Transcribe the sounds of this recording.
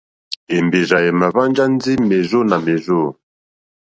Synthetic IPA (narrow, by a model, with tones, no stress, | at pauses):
ɛ˨mbe˨ʒa˨jɛ˨ma˨βa˦nd͡ʒa˦nd͡zi˦mɛ˨zɔ˦na˨mɛ˨zo˦˨